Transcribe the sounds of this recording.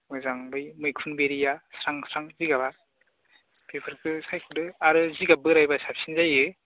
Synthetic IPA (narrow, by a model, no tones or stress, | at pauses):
mɯzaŋbɯjmɯjkʰunbeɾijasɾaŋsɾaŋziɡaβa | pʰepʰɯɾkʰɯsajkʰɯdɯaɾɯziɡabɯɾajbasap̚sinzajɯ